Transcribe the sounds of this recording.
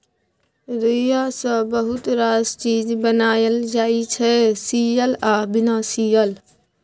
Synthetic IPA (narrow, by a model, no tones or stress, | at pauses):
ɾijasə̃bəɦʊt̪ɾaːzt͡ʃiːd͡ʒbənaːjəld͡ʒaːit͡ʃʰɛsiːjəlaːbɪnasiːjəl